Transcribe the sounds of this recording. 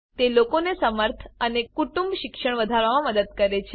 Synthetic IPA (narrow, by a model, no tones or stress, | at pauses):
t̪elokonesəməɾt̪ʰənekuʈumbʃikʂəɳ̃ʋəd̪ʱaɾʋamãməd̪əd̪̚kəɾet͡ʃʰe